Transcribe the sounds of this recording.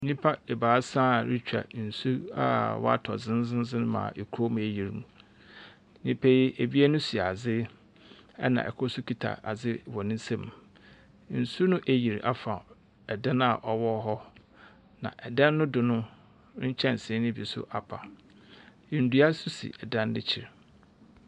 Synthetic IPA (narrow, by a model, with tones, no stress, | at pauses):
nĩ˦pʰa˦e˨baː˨˦sã˦˨ɾi˦t͡ɕᶣa̰˨n̩˨su˦a̰˦wɔ̰˦a̰˦tʰɔ̰˨d͡zɪ̃˦n˦zɪ̃˦n˦zɪ̃˦n˦mã̰˨ʔe˨kʰu˦o˦mũ˨æ˨ji˨ɾmũ˨ | nĩ˦pʰe˦ji˦ʔe˨bi˦e˦nʊ̃˦si˨a˨d͡zɪ˦ | ɛ̰˦nã̰˨ʔɛ̰˨kʰʊ˦su˦kʰi˦tʰa̰˨a˨d͡zɪ˦wɔ˨nɪ̃˦n˦sɛ̃˦m | n̩˨su˦nʊ̃˦ʔæ˨ji˨ɾʔa˦fã˨ | ɛ˨dɛ̃˦na˨ʔɔ˨wɔ˦ɦɔ˦ | nã̰˨ʔɛ˨dɛ̃˦nːʊ̃˦dʊ˨nʊ̃˦ | t͡ɕʰɛ̃˦˨n˨sɪ̃˨˦nɪ̃˦bi˨sʊ̰˦ʔa˨pʰa˨ | ɪ̃˨n˦du˨˦a˦su˦sḭ˨ʔɛ˨dɛ̃˦n˦dɪ̰˦t͡ɕʰi˨ɾ